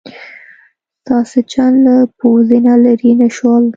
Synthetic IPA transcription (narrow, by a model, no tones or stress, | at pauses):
st̪ɑset͡ʃanlapowzinalaɾinaʃwɑl